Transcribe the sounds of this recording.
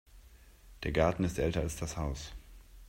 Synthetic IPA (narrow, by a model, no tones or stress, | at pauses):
d̥eːɐɡaɐtn̩ɪstʔɛltɐalsd̥ashaʊs